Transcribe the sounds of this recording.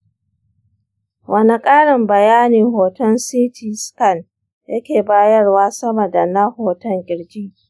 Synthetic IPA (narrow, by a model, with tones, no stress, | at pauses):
wʔɐ˨ni˨kʼaː˦ɽɪ˨mbɐ˨jaː˦niː˨ɦoː˨tɐ˦nsiː˦tʰiː˨skɐ˦˨n | jɐ˦kʲeː˨baː˦jɐ˦rwaː˦sɐ˦mɐ˨da˨na˦hoː˨tɐ˦ŋɡʲʼɪ˨ɽd͡ʒiː˦˨